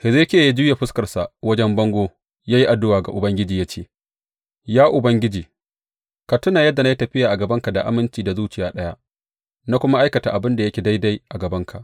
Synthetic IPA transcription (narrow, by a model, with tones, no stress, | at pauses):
hɪ˨zeː˦kʲeː˦˨ji˦d͡ʒuː˦ja˨ɸɪ˦skɐ˨rsa˨ʔwɐ˦d͡ʒɛ˦mbɐ˦ŋɡʷoː˦ | jaː˦ji˦ʔa˨dːʊ˦waː˨ɡa̰˨ʔʊ˨bɐ˦ŋɡʲɪ˦d͡ʒiː˨ja˦t͡ʃeː˦˨ | jaː˦ʔʊ˨bɐ˦ŋɡʲɪ˦d͡ʒiː˨ | ka˨tʊ˦naː˨jɐ˦dːa˨na˦ji˦tɐ˨ɸɪ˦jaː˨ʔa˨ɡɐ˨bɐ˦ŋka˨da˨ʔa̰˨mɪ˦nt͡ʃiː˨da˨zuː˦t͡ʃɪ˨jaː˦ɗɐ˦ja˦ | na˦kʷʊ˦ma˦ʔa˦jkɐ˨ta˨ʔa˨bɪ˦nda˨jɐ˦kʲe˨da˦jda˦jʔa˨ɡɐ˨bɐ˦ŋkʰa˨ʔ